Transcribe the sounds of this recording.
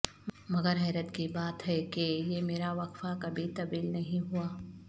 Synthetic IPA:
mɐɡəɾɦɛːɾət̪kibaːt̪ɦɛkejemeːɾaʋɐkfakɐbʱit̪ɐb̪iːlnɐɦĩɦuaː

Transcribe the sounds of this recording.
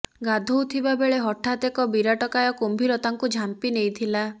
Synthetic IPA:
ɡad̪ʱowt̪ʰibabeɭeɦɔʈʰat̪ekɔbiɾaʈɔkajɔkombʱiɾɔt̪aŋkud͡ʒʱampinejt̪ʰila

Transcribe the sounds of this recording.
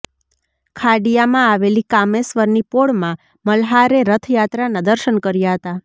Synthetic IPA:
kʰaɖijamãaʋelikamesʋəɾnipoɭmã | məlɦaɾeɾət̪ʰjat̪ɾanad̪əɾʃənkəɾjaɦət̪a

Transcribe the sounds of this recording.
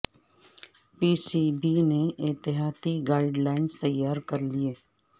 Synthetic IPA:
piːsiːbineɪt̪ɪɦaːt̪iɡaːɪɖlaːɪnst̪ɐjːaːɾkɐɾlieː

